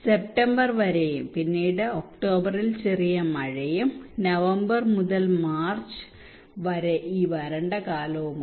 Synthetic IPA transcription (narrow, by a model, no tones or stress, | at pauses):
sep̚ʈɐmbɐrʋɐɾejumpinːiːɽɨok̚ʈo̞ːbɐrilt͡ɕerijɐmɐɻejumnɐʋɐmbɐrmuðɐlmaːrt͡ɕɨ̥ | ʋɐɾeʔiːʋɐɾɐɳɖɐkaːlɐʋum